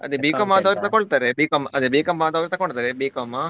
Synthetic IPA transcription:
ɐ̰d̪ebiːkɐmaːd̪ɐʋɾit̪ɐkoɭt̪aːɾebiːkɐmɐd̪ebiːkɐmːaːd̪ɐːʋɾit̪ɐkːɔɳɖt̪aːɾebiːkɐmːa

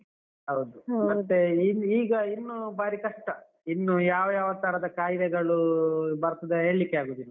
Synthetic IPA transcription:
ɦɐwd̪umɐt̪ːeniːɡɐinːubaːɾikɐʂʈɐ | inːujaːʋɐjaːʋɐt̪ɐɾɐd̪ɐkaːjd̪ɛɡɐɭubɐɾɐt̪ɐd̪ɐeːɭːikːeaːɡuːd̪ilːɐ

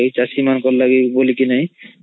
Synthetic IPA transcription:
ijt͡ʃasimankɔllaɡibolikinaj

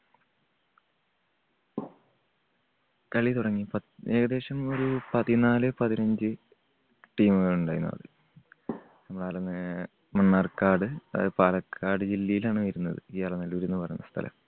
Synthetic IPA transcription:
kɐɭit̪uɽɐŋːipɐe̞ːɡɐðe̞ːʂɐmo̞ɾupɐðinaːlɨpɐðinɐɲd͡ʑɨ | ʈiːmɨɣɐɭuɳɖaːjunːɐ̰ɐ̰ðɨ | nɐmːɐɽaːlɐnːɨ | mɐɳːaːrkːaːɖɨɐ̰ðɨpaːlɐkʰːaːɖɨd͡ʑilːijilaːɳɨʋɐɾunːɐðɨ̰iːaːɭɐnɐlːɐʋɐɾunːupɐrɐ̰junːɐ̰st̪ʰɐ̰lʔɐ̰m

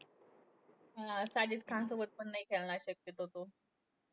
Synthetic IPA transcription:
asad͡ʑiːt͡skʰansobət̪̚pənːəɦiːkʰeɭnaɕək̚jet̪ɦot̪o

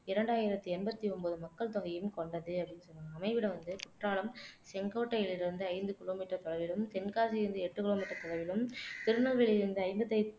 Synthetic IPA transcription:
ɪɾɐɳɖaːjɪɾɐt̪ːɯɛnbɐt̪ːiɔnbɐðɯmɐkːɐɭt̪ɔɣɐjɯmkɔɳɖɐðɯɐpːɽɪnːɯsɔnːaːɐmɐɪʋɪɽɐʋɐnd̪ɯkʊʈraːɭɐmsɛŋɡoːʈːɐjɪlɪɾɯnd̪ɯɐɪnd̪ɯkɪloːmiːʈːɐɾt̪ɔlɐʋɪlɯmt̪ɛnkaːs̬iɪɾɯnd̪ɯɛʈːɯkɪloːmiːʈːɐɾt̪ɔɻɐʋɪlɯmt̪ɪɾɯnɐlʋɪɭɪɾɯnd̪ɯɐɪmbɐt̪ːɐɪ

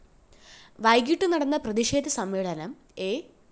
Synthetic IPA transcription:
ʋɐjɡiʈːɨnɐɽɐnːɐprɐðiʂeːd̪ɐsɐmʋeːɭɐnɐm | eː

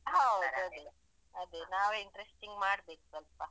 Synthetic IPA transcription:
ɦɐwd̪duɐd̪e | ɐd̪enaːʋeiɳʈɾesʈiŋɡmaːɽbeːksɐlpa

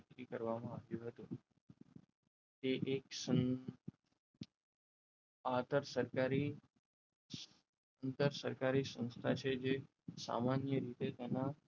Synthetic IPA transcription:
kɾikəɾʋamãaʋjũɦət̪ũ | t̪eʔeksə | at̪əɾsəɾkaɾi | ənt̪əɾsəɾkaɾisə̃nst̪ʰat͡ʃʰed͡ʒe | sa̰manjəɾit̪et̪ɛna

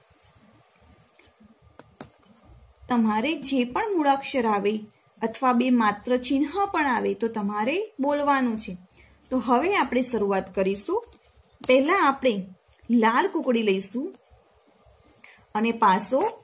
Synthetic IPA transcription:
t̪əmaɾed͡ʒepəɳmuɭəkʃəɾaʋe | ət̪ʰʋabemat̪ɾət͡ʃinɦapəɳaʋet̪ot̪əmaɾebolʋanũt͡ʃʰe | t̪oɦəʋeapɳ̃eʃəɾuat̪kəɾiʃũ | pɛɦlãːpəɳ̃e | lalkũkɽiləiʃũ | ənepaso

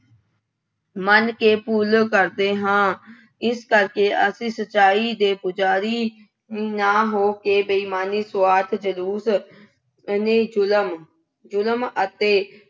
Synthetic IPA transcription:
mənkeːpuːlkəɾd̪eːɦãː | ɪskəɾkeːʔəsĩːsət͡ʃaːiːd̪eːpʊd͡ʒaːɾiː | naːɦoːkeːbəiːmaːniːsʊaːt̪ʰd͡ʒəluːs | neːlm | d͡ʒʊləmət̪eː

